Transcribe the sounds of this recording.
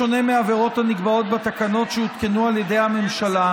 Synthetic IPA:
one̞meaveʁo̞thaniɡbao̞t̪̚bat̪akano̞t̪ʃeut̪kenualjede̞jhame̞mʃala

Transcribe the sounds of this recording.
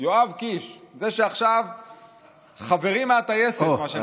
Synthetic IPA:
joavkiʃzeʃeaχʃav | χave̞ʁimeat̪ajesetmaʃe

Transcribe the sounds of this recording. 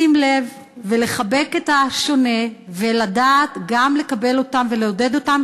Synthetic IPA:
imle̞vː | ele̞χabe̞ketaʃo̞ne̞veladaːtɡamle̞kabe̞lo̞tamveleode̞do̞tam

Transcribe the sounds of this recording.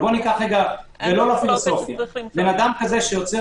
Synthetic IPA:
bo̞nikaχeɡavelo̞lafilo̞so̞fja̰benad̪amkaze̞ʃejot͡se

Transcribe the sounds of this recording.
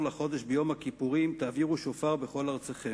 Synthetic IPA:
laχo̞d̪e̞ʃbejo̞mhakipuʁimt̪aːviʁuʃo̞faʁbe̞χo̞laʁt͡seχe

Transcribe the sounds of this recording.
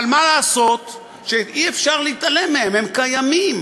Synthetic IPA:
almalaːso̞t̪ | ʃeiefʃaʁleit̪ale̞mːehe̞mhemkajamim

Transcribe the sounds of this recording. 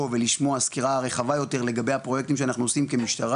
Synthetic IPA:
ove̞liʃmo̞askiʁaʁe̞χavajo̞t̪e̞ʁle̞ɡabe̞jhapʁo̞jek̚t̪imʃeanaχnuosimke̞miʃt̪aʁ

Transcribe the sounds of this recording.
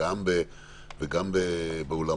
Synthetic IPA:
ambe | veɡambebeola

